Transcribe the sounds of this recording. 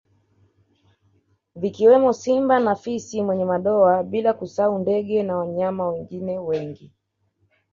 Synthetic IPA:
vikiwɛmɔsimbanafisimwɛɲɛmaɗɔaɓilakusaundɛɠɛnawaɲamawɛŋɡinɛwɛŋɡi

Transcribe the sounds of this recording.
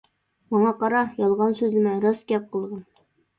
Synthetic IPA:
mɒɴɑqɑɾɑjɒlˠʁɑnsʉzlɘ̆mæɾɒskʲæp̚qɤ̆lˠʁɤn

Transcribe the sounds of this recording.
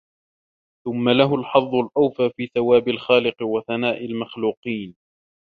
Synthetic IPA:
θʊmːalaɦʊlħɑðˤːʊlʔawfaːfiːθawaːbɪlxaːlɪqwaθanaːʔɪlmaxluːqiːn

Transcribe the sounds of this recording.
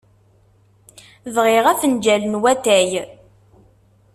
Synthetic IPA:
ðʁɪʁæfənd͡ʒælənwæt̪æj

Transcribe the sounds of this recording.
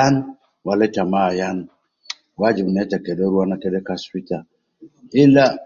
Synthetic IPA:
an | waletamajan | wad͡ʒibnetakedeɾuanakedekasita | ila

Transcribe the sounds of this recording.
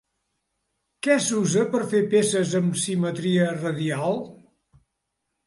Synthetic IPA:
kɛsuzəpəɾfepesəzəmsimət̪ɾiərəðialˠ

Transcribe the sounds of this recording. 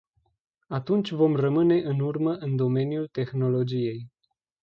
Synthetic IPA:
at̪unt͡ʃʲvo̞mrəmɨne̞ʔɨnurməʔɨnd̪o̞me̞njult̪e̞xno̞lo̞d͡ʒije̞j

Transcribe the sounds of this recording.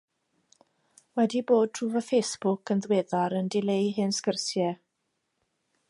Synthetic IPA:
wɛdiboːd̚tʰruːvəfejsb̥ʊkʰənðweːðaɾəndɪlejɦɨnskərsjɛ

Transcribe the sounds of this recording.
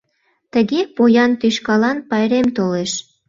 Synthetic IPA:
t̪əɣepojɑnt̪yʃkɑlɑnpɑjɾemt̪oleʃ

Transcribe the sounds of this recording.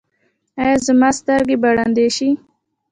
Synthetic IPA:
ajɑzəmɑst̪əɾɡebaɽand̪eʃi

